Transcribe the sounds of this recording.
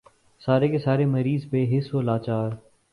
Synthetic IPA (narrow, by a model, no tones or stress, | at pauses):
saːɾekesaːɾeməɾiːzbeːɦɪsoːlaːt͡ʃaːɾ